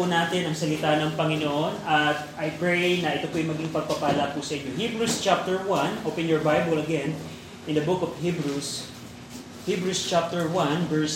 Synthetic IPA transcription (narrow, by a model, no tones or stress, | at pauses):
unaːt̪ɪnɐŋsɐlɪt̪anɐŋpɐŋɪnoʔonɐt̪̚ʔɐjpɹɛjnɐʔɪt̪opoʔɐjmɐɡiŋpɐɡ̚pɐpaːlɐpʊsɐʔɪɲohibɹust͡ʃap̚t̪ɛɹwãnʔopɛ̃njɔɹbajbɐlɐɡɛ̃n | ʔɪ̃nd̪ɐbʊkɔvhibɹus | hibɹust͡ʃap̚t̪ɛɹwɐ̃nvɛɹs